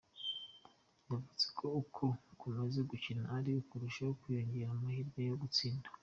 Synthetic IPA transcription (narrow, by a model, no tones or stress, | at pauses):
ndavut͡se̥kʰo̞ukʰokumazeɡucinaːɾiukuɾuʃahokujo̞ɲɟe̞ɾamahiɾɡejoɡut͡siːndḁ